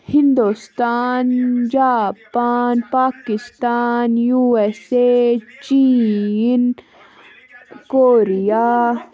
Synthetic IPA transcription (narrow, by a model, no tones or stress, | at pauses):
hind̪ust̪aːnd͡ʒaːpaːnpaːkist̪aːnjuːeset͡ʃi | n | koːɾijaː